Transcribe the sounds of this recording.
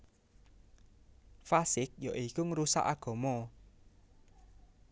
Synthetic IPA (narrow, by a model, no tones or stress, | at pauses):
fasɪk̚jaʔikuŋəɾusa̰ʔaɡ̥ɔ̤mɔ